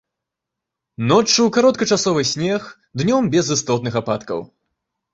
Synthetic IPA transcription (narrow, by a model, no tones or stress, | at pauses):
nɔt͡ʂːɨwkaɾɔt̪kɐt͡ʂasɔvɨsʲnʲɛx | d̪nʲɔmbʲɛzɨst̪ɔt̪nɨxapat̪kɐ̰w